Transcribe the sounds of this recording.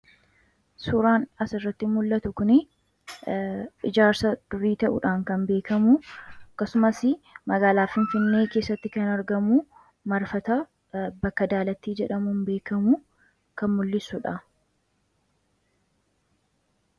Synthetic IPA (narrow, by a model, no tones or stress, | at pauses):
suːɾaːnɐsɪrːɐt̪ːɪmʊlːɐt̪ʊkʊnɪ | ʔɪd͡ʒaːɾsɐd̪̥ʊɾiːt̪ɐʔʊ̰ᶑaːŋkɐmbe̞ːkɐmʊɐkːɐsʊmɐsɪmɐɡaːlaːfɪnfɪnːe̞ːke̞ːsːɐt̪ːɪkɐnɐɾɡɐmu | mɐɾfɐt̪ɐ | bɐkːɐd̪aːlɐt̪ːiːd͡ʒɛᶑɐmunbeːkɐmʊ | kɐnmʊlːɪsʊᶑɐ